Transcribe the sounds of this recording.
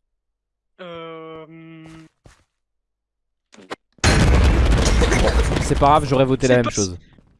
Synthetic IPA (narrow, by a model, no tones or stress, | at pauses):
øm | bɔ̃sɛpaɡʁavʒɔʁɛvot̪elamɛmʃoz